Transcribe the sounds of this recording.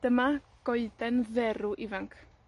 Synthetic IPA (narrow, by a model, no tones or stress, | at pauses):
d̥əma | ɡ̥ɔɨdɛnðɛɾʊʔivaŋkʰ